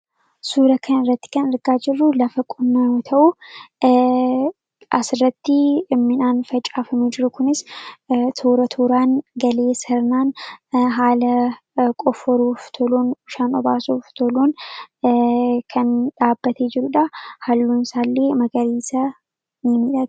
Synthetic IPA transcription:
suːɾɐkʰɐnɪrːɐt̪ːɪ̥kɐnɪɾɡaːd͡ʒɪrːʊlɐfɐkʼʊnːɐot̪ʰɐʔʊ | ʔɐsɪrːɐt̪ːɪɪmːɪnaːnfɐt͡ʃʼaːfɐmed͡ʒɪɾʊkʊnɪs | t̪ʰuːɾɐt̪ʰuːɾaːnɡɐle̞ːsɐɾnaːnɦaːlɐ | kʼɔfɔɾuːft̪ʰɔluːnʊʃaːnɔbaːsuːft̪ʰɔluːn | kʰɐnᶑaːbːɐt̪eːd͡ʒɪɾʊᶑɐhɐlːuːnsaːlːe̞ːmɐɡɐɾiːsɐ | nɪmɪᶑɐt̪

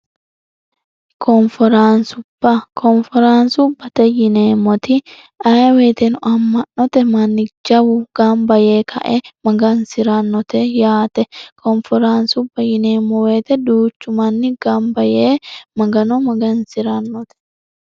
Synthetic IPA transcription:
kʰɔnfɔɾaːnsʊb̥ːɐkʰɔnfɛɾansʊbɐt̪ɛjɪneːmːɔt̪ɪ | ɐjweːt̪ɛnʊʔɐmːɐnːɔt̪ɛmɐnːɪd͡ʒɐwʊɡ̥ɐmbɐjeːkʰɐ̰ʔɛmɐɡɐnsɪɾɐnːɔt̪ɛjaːt̪ɛkʰɔnfɔɾaːnsʊbːɐjɪneːmːɔwe̞ːt̪ɛd̪uːt͡ʃːʊmɐnːɪɡɐmbɐjeːmɐɡɐnɔmɐɡɐnsɪɾɐnːɔt̪ɛ̥

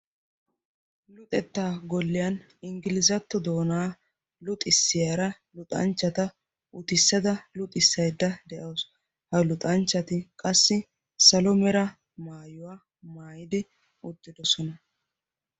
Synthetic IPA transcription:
lʊt̪ʼɛt̪ːaːɡɔlːɪjɐn | ɪŋɡɪlɪzɐt̪ːɔd̪oːnaː | lʊt̪ʼɪsːɪjaɾɐ | lʊt̪ʼɐ̰nt͡ʃːɐt̪ɐ | ʊt̪ɪsːɐd̪ɐlʊt̪ʼɪsːɐjd̪ːɐd̪ɛʔɐws | hɐlʊt̪ʼɐnt͡ʃːɐt̪ɪkʼɐsːɪ | sɐlɔmɛɾɐ | maːjʊwaː | maːjɪd̪ɪ | ʊd̪ːɪd̪ɔsɔnɐ

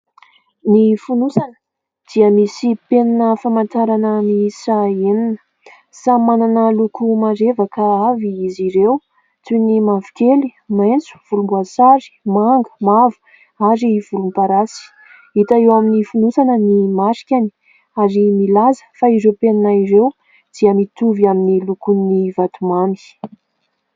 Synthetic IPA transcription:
nifunusanə̥ | d̪̥iəmisipeninəfamant̪aɾanəmisaeninə̥ | samananəlukumaɾevakəaviiziɾew | t͡sunimavikʲelimajnt͡su̥v̥ulumbuasaɾi̥maŋɡə̥mavu̥ | aɾiv̥ulumpaɾasi̥ | it̪aewaminifunusanənimaɾi̥kʲani̥ | aɾimilazə̥faiɾewpenanaiɾew | d̪̥iəmit̪uviaminilukunːivat̪umani̥

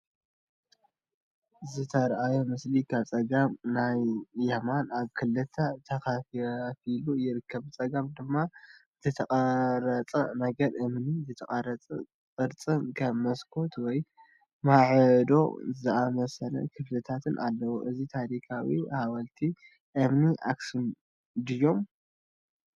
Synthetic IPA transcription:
zɨt̪ʰɐɾʔajomɨslikʰaβt͡sʼɐɡamnajːɐmanaβkʰɨlɨt̪ʰːɐt̪ʰɐkaffilujɪɾɨkʰːɐβt͡sʼɐɡamd̪ɨmːa | t̪ʰɨt̪ʰɐkʼɐɾɐt͡sʼɐnɐɡɐɾʔɨmnizɨt̪ʰɐkʼaɾɐt͡sʼɐ̰ | t͡sʼɨɾt͡sʼɨnkʰɐmɐskʰo̞t̪wɔj | maʕɨd̪o̞̰zɨamɐsɐlɐ̰kʰɨflɐt̪ʰat̪ʰɨnʔa̰lːɐwoʔɨzit̪ʰaɾikʰawihaβɐlt̪ʰi | ʔɨmniʔa̰ksun | d̪ɨjːo̞m

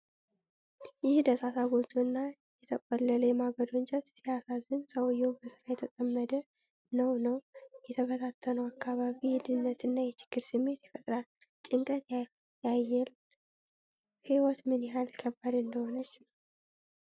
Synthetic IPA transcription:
jɪhd̪əsasaɡo̞t̪ʰuɨnːa | jɛt̪ʰəkʼɔlːələjɛmaɡəd̪ont͡ʃʼɛt̪sijasazɨnsəwjːɛwumbəsɨɾajɛt̪ʰət̪ʼəmːəd̪ə | nəwnəwjɛt̪ʰəbət̪ʰat̪ʰːənəwakʰːaβaβijɪd̪ɨnːət̪ɨnːajɛt͡ʃɪ̥ɡ̥ːɨɾsɨmːe̞t̪jɪfət̪ʼɾal | t͡ʃʼɪŋkʼət̪j | jajɛl | hiwɔt̪mɨnɪɦalkʰəbːad̪ɨnd̪əho̞nət͡ʃːnəw

